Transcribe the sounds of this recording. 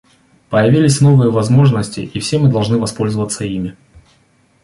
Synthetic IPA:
pəjɪvʲilʲɪsʲn̪o̞vɨjəvɐzmo̞ʐnəsʲtʲɪʔifsʲemɨd̪ɐlˠʐnɨvɐspo̞lʲzəvət̪sːəimʲɪ

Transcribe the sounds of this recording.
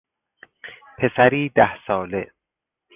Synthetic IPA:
pʰe̞sæɾiːd̪æhsɒːle

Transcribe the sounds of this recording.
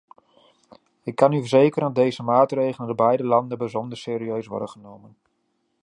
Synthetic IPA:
ɪkːɑnyfəɹzejkərdɑdejzəmaːtrejχləndəbɛjdəlɑndənbəzɔndəɹsɪːɾiøɥsʋɔ̰rdəχənowmən

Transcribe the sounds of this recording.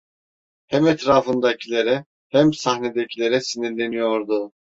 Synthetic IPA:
hɛmɛt̪ʰɾaːfɯnd̪acʰilʲe̞ɾɛ | hæmsaxned̪ecʰilʲe̞ɾɛsiniɾlʲe̞nijo̞ɾd̪ʊ

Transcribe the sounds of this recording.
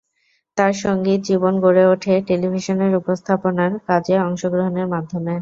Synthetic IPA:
t̪aɾʃɔŋɡit̪̚d͡ʑibonɡoɾeoʈʰeʈelibʱiʃoneɾupost̪ʰaponaɾkad͡ʑeɔŋʃoɡɾoɦoneɾmad̪ʱːome

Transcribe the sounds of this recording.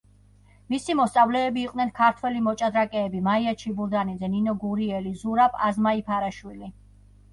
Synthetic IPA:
misimɔst̪sʼavlɛːbiːqʼnɛnkʰaɾt̪ʰwɛlimɔt͡ʃʼad̪ɾakʼɛːbimaiat͡ʃʰibuɾd̪anid̪zɛninɔɡuɾiɛlizuɾapʰazmaipʰaɾaʃwili

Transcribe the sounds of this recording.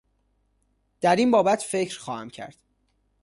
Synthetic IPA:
d̪̥æɾinbɒːbæt̪ʰfecʰɾxɒːhæmcʰæ̰ɾd̪̥

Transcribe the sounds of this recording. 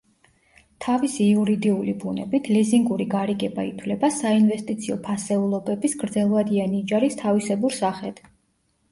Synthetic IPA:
t̪ʰavisiuɾid̪iulibunɛ̰bit̪ʰliziŋɡuɾiɡaɾiɡɛbait̪ʰwlɛbasainvɛst̪ʼit̪sʰiɔpʰasɛulˠɔbɛbisɡɾd̪zɛlˠvad̪ianid͡ʒaɾist̪ʰavisɛbuɾsaχɛd̪̥

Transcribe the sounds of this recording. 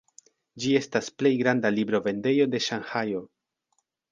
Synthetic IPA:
d͡ʒie̞stasple̞jɡɾandalibɾo̞ve̞nde̞jo̞de̞ʃanhajo̞

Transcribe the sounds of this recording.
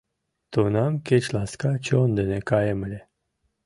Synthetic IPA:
t̪unamket͡ʃlaskat͡ʃond̪enekajeməlʲe

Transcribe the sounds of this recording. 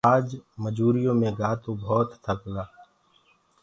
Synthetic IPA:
aːd͡ʒməd͡ʒuːɾijõːmẽɡaːt̪ũbʱɔːt̪ːʰəkɡaː

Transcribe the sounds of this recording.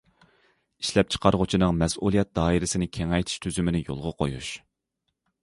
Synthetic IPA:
iʃlɛp̚t͡ʃʰə̥qʰɑɾʁʊt͡ʃʰinɨŋmɛsulˠijɛt̪̚d̪ɑːiɾɪsɪnɪkʲʰeŋɛjt̪ʰi̥ʃt̪ʰyzymɪnɪjo̰lˠʁɑqʰojṵʃ

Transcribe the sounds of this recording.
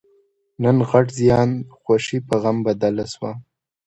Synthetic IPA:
nənɣaʈzjɑːnxwaʃipaɣambad̪alaswa

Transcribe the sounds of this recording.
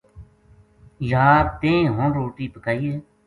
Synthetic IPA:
jaːɾt̪ẽːɦõːnɾoːʈiːpəkaːiːeː

